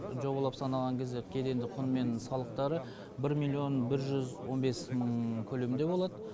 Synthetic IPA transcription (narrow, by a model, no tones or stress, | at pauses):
ʒo̞bɑlˠɑpsɑnɑlˠʁɑŋkʲʰe̞zd̪ekʲʰe̞d̪e̞nd̪ɪqʰʊnme̞nsɑlˠəq̚t̪ɑɾə | bɪɾmilʲˠːio̞nbɪɾʒʏzwo̞nbe̞sməɴkʲʰɵlemnd̪e̞bo̞lˠɑd̪ə